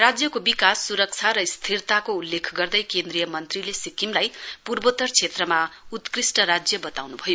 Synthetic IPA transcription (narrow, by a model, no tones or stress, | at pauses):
rad͡zjʌkobikasːuɾʌk̚t͡sʰaɾʌist̪ʰirt̪akoulːekʰɡʌrd̪ʌjkend̪rijʌmʌnt̪rilesikimlajpurbot̪ʌrt͡sʰet̪rʌmaut̪krisʈʌɾad͡zjʌbʌt̪awnubʱʌjo